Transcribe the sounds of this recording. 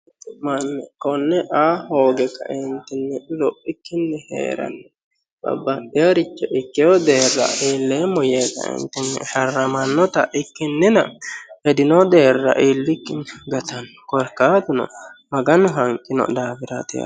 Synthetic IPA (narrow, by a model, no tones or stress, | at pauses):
mɐnːɛkɔnːɛʔaːhoːɡɛkːɐ̰ʔɪnt̪ːɪnːɛlɔpːɪkːɪnːɛhḛːɾɐ̰nːɛ | bɐ̰bːɐʔɪjɐɾɪt͡ʃːɛʔɪkːɪjɔd̪e̞ːrːɐ̰ʔeːlːeːmːɔjeːt̪ɐ̰ɪ̰nt̪ːɪnːɛ̰ʃɐrːɐmɐnːɔt̪ɐʔɪkːɪnːɪnɐhɛd̪ɪnɔd̪e̞ːrːɐ̰ʔeːlːɪkːɪnːɛɡɐt̪ɐnːɛ̥kɔɾkːaːt̪ɪnɔ̰mɐɡɐnɦɐŋkʼːɪnɔ̰d̪aːfɪɾat̪ɪja̰